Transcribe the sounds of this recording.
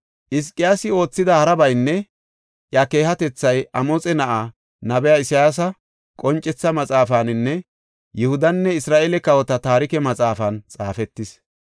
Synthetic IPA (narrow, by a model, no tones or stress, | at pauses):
ʔɪs̬kʼɪjasɪo̞ːt͡sːɪd̪ɐhɐɾɐbɐjnːɛ | ʔjake̞ːhɐt̪ɛt͡sːɐjʔɐmɔt͡sʼɛnɐʔa | nɐbɛjaɪsɐjaːs̬ɐ | kʼɔnt͡ʃʼːɛt͡sːɐmɐt͡sʼaːfaːnɪnːɛ | jɛhʊd̪ɐnːɛɪsɾaːʔelɛkɐwɔt̪ɐt̪aːɾɪkɛmɐt͡sʼaːfɐnt͡sʼaːfɛt̪ːɪs